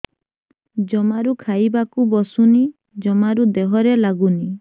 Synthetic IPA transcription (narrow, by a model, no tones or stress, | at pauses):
d͡ʒɔmaɾukʰajbakubɔsuni | d͡ʒɔmaɾud̪eɦɔɾelaɡuni